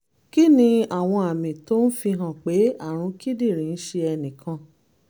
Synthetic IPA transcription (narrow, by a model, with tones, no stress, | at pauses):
ki˦nĩ˧a˨w̃ɔ̃˧a˨mĩ˨to˦n̩˦fi˧ɦã˦˨k͡pe˨˦a˦˨ɾ̃ũ˧˦ki˦di˦˨ɾ̃ĩ˨˧n̩˦ʃe˧ɛ˧nĩ˨kʰã˧